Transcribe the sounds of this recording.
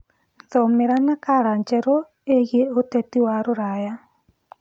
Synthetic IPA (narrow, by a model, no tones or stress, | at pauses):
nðomeɾanakaɾaɲt͡ʃɛɾo | eɣjeotɛtiwaɾoɾaja